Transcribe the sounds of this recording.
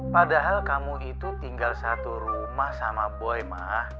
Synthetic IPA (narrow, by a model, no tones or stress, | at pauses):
padaɦalkamuit̪ut̪iŋɡalsat̪uɾumahsamaboɛma̰h